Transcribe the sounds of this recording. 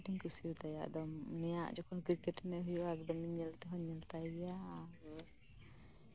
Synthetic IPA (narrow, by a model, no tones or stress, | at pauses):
ʈiŋkusiut̪aja̰ʔd̪ɔmnɛja̰ʔd͡ʒɔkʰɔnkɾikɛʈnɛɦujɔʔaɡd̪ɔmiɲɛlt̪ɛɦɔɲɛlt̪ajjaːɾ